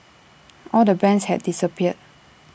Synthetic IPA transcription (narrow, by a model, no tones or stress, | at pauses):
ʔɔldəbɛ̃nshɛ̰t̚disəpiət̚